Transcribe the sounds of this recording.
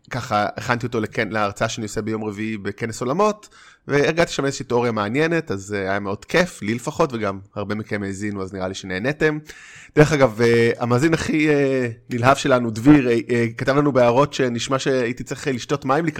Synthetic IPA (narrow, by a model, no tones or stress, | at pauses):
kaχaḛχantio̞t̪o̞lekenleaʁt͡saaʃeanijosebejo̞mʁeviibe̞keneso̞lamo̞t | veːʁɡat̪i̥ʃamezeʃiːteo̞ʁijameanjene̞tazajameo̞d̥kʰeflilefaχo̞tveɡamhaʁbe̞mikemeːzinuazniʁaliʃene̞ːnete̞m | d̥eʁeχaɡavea̰maːzinaχienilɦavʃelanudviʁkatavlanubeaʁo̞tʃe̞niʃmaʃe̞aitit͡seχliʃto̞tmaimlik